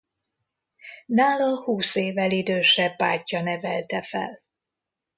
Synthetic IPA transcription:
naːlɒhuːseːvɛlid̪øːʃɛaːcːɒnɛvɛlt̪ɛfɛ̰l

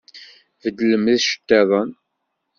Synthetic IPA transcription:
vəd̪ləməðʃə̥t̪ːæðˤən

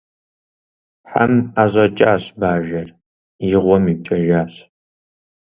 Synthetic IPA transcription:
ħa̰maːʑʷɐt͡ʃʼaːɕbaːʒɐr | jɪʁʷɔmit͡ʃʼɐʒaːɕ

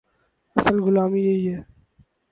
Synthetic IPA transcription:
əsəlɡʊlaːmijeɦiɦɛː

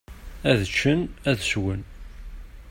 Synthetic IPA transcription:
æðət͡ʃːənæðswən

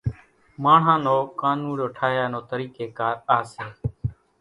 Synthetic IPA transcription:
maːɳ̤ãːnoːkaːnũːloːʈʰaːɦjaːnoːt̪əɾiːkeːkaːɾaːseː

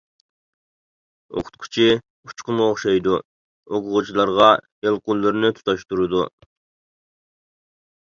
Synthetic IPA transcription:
o̰qʰʊ̥t̪̚kʰu̥t͡ʃʰi | u̥t͡ʃqʊnuoχʃɑjd̪u | oqʰʊʁut͡ʃʰilˠɑɾʁɑ | elˠqulːyɾnyt̪ʰu̥t̪ʰɑʃt̪uɾud̪u

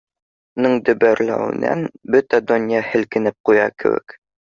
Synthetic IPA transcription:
nɤɴd̪ɵ̆bæɾlæ̰wɘ̰̆næ̰nbɵt̪æd̪ŏnʲjɑhɘ̆lkɘ̆nɘp̚qujɑkɘ̰̆wɘ̰k

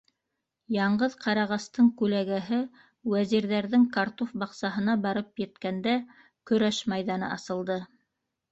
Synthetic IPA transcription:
jɑɴɢɤðqɑɾɑʁɑst̪ɤɴkʉlæɡæɦɘ | wæziɾðæɾðɘŋkaɾt̪ofbɑqsɑɦɤ̆nɑbɑɾɤpjɘ̆t̪kænd̪æ | kɵ̆ɾæʃmɑjðɑnɤ̰ʔɑsɤ̆lˠd̪ɤ

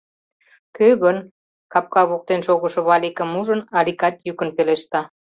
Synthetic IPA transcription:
køɣən | kɑp̚kɑβuk̚t̪enʃoɣə̆ʃŏβɑlikə̆muʒənɑlikɑt̪jykənpeleʃt̪ɑ

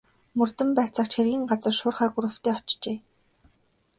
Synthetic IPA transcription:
mɵrt̪ɵ̆mpæːt͡sə̆kt͡ɕxerɣʲiːŋɢat͡sə̆rʃʊːrχæːɡuɾɵ̆wt̪iːɔt͡ɕt͡ɕeː

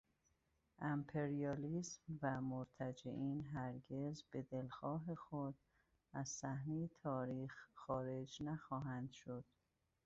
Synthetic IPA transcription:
ʔæmpʰeɾiɒːliːsmvæmoɾt̪ʰæd͡ʒḛʔiːnɦæɾɟezbe̞d̪e̞lxɒːɦe̞xod̪̥̚ | æz̥sæhnejet̪ʰɒːɾiːxxɒːɾe̞d͡ʒnæxɒːɦænd̪̥ʃod̪̥

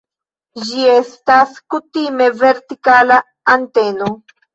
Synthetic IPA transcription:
d͡ʒie̞staskutime̞ve̞ɾtikalaː | nte̞no

